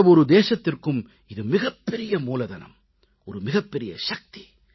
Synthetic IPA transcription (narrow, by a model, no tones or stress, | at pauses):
ɐʋɔɾɯd̪eːʃɐt̪ːɪrkɯm | ɪðɯmɪɣɐpːɛɾɪjɐmuːlɐðɐnɐ̰m | ɔɾɯmɪɣɐpːɛɾɪjɐ̰ʃɐk̚t̪i̥